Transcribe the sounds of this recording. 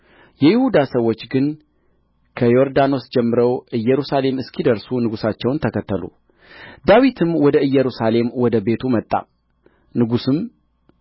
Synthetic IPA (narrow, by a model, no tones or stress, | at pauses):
jɛjɪhud̪asəwːo̞t͡ʃːɡɨn | kʰəjo̞ɾd̪ano̞sd͡ʒɛmːɨɾəwʔɨjːɛɾusale̞mɨskʰid̪əɾsunɨɡusat͡ʃːɛwnt̪ʰəkʰət̪ːəlṵ | d̪awit̪ʰɨmwɔd̪əɨjːɛɾusale̞mwɔd̪əbe̞t̪ʰumət̪ʼːa̰ | nɨɡusɨm